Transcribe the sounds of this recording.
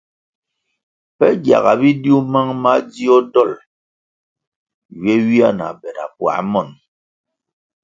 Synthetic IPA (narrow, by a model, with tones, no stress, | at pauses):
pɛ˦ɡja̰˨ɣa̰˨bi˦dju˦ma˦ŋma˦d͡zi˦ɔ˦dɔ˦˨l | ɥɛ˦wi˦a˦˨na̰˨bɛ˨ɾa̰˨pwa̰˨˦mɔ˦˨n